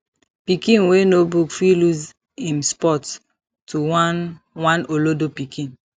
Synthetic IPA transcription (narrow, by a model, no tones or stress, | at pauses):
pikĩnwenobukfiluz | ĩmspɔt | tu | wãnolodopikĩn